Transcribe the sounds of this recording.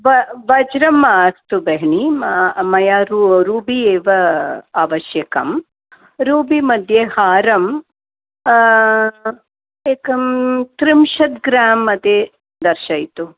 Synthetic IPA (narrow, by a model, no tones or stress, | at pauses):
ʋɐʋɐd͡ʒɾɐmaːst̪ubɐɦɳimɐjaːɾuɾuːbieːʋɐaːʋɐʃjɐkɐm | ɾuːbimɐd̪ʱjehaːɾɐm | eːkɐmt̪ɾimʃɐt̪ɡɾaːmɐt̪e | d̪ɐɾʃɐjt̪u